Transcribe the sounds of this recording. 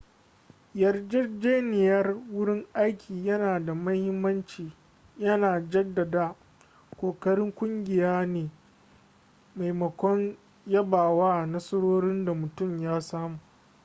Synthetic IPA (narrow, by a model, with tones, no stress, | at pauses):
jɐ˨rd͡ʒɛ˦d͡ʒeː˦nɪ˨jɐ˦rwʊ˦ɽɪ˦ŋʔa˦jkʲʰiː˨jɐ˦naː˨da˨mɐ˦hɪ˦mːɐ˦nt͡ʃiː˨ | jɐ˦naː˨d͡ʒɐ˦dːɐ˨daː˦ | kʷoː˨kɐ˦ɽɪ˦ŋkʷʊ˦ŋɡʲɪ˨jaː˦neː˨ | ma˨jmɐ˨kʷɔ˦ŋ | jɐ˦baː˨waː˦˨nɐ˦sɐ˦ɽoː˦ɽɪ˦nda˨mʊ˨tʊ˦˨mjaː˦saː˦muː˨ʔ